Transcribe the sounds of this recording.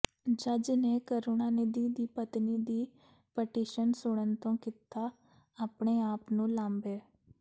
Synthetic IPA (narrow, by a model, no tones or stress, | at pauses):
d͡ʒəd͡ʒneːkəɾoːnaːned̪iːd̪iːpət̪niːd̪iː | pəʈiːʃənsʊɽ̃ənt̪õːkit̪aː | aːpɳeːaːpnũːlãːmbeː